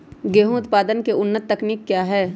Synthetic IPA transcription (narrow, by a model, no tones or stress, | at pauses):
ɡeːɦũʊt̪paːd̪ənkeʊnːət̪ːɐkniːkːjaːɦɛː